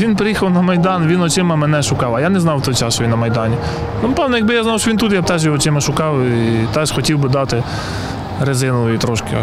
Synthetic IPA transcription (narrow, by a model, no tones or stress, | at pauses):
ʋʲinpɾɪjixɐwnɐmɐjd̪ɑnʋʲinɔt͡ʃɪmɐmɛnɛʃʊkɑwɐjɑnɛznɑwt̪ɔjt͡ʃɑsʃɔʋinːɐmɐjd̪ɑnʲi | nʊpɛwnɐjɐɡ̚bɪjaznɑwʃɔʋint̪ut̪jap̚t̪ɛʒiɔt͡ʃɪmɐʃʊkɑwit̪ɛʒxɔtʲiwbɪd̪ɑt̪ɪ | ɾɐzɪnɔʋɔit̪ɾɔʃkɪ̰